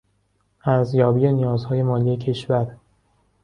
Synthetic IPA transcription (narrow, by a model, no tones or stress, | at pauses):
ʔæɾzjɒːbiːjenijɒːzhɒːje̞mɒːlije̞cʰe̞ʃvæɾ